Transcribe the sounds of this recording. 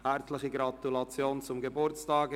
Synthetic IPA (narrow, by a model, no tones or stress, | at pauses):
hɛɾt͡slɪχiɡɾɑtulɑt͡sjoːnt͡sʊmɡəbʊɾt͡stɑːɡ